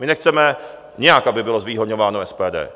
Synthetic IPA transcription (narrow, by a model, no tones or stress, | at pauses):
mɪnɛxt͡sɛmɛ | ɲɛjakʔabɪbɪlo̞zviːɦodɲovaːnoɛspɛːdɛ̰ː